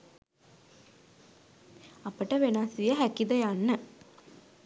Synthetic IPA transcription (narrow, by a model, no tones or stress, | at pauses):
ɐpːɐʈɐʋenaːsijɐɦækid̪ɐjanːə